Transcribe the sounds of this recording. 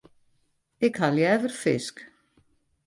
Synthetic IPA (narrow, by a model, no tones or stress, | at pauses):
ɪkhaljɛvʏɾ̥fɪsk